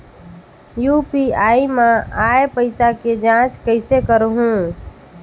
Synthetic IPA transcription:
jupiaimeaepəɪsaked͡ʒãt͡ʃkəɪsekəɾɦũ

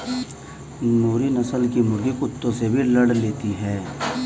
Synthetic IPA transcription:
noːɾinɐsəlkimʊɾɡikʊt̪ːõsebʱilɐɽleːt̪iɦɛː

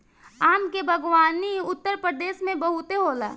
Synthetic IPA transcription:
aːmkebʱɐɡʋaːniʊt̪ːəɾpɾəd̪eːʃmẽbɐɦʊt̪eɦoːla̰ː

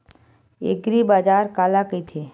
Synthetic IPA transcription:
ḛɡɾibaːd͡ʒaːɾkaːlakəit̪ʰe

